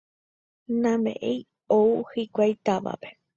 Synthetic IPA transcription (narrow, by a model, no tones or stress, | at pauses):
nãmḛ̃ʔej | ouhikʷajt̪aʋa̰pe̥